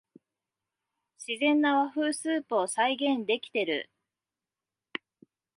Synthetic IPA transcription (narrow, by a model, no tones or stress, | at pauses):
ɕizẽ̞nːaβaɸɯ̟ːsɨːpɯ̟osaiɡẽ̞nd̪e̞kʲi̥t̪e̞ɾɯ̟̰